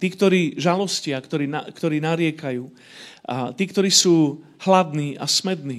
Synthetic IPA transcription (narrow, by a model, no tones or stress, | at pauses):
t̪iːkt̪ɔɾiːʒalɔscɪakt̪ɔɾiːnakt̪ɔɾiːnaɾɪɛkajuː | at̪iːkt̪ɔɾiːsuː | hlad̪niːʔa̰smɛd̪niː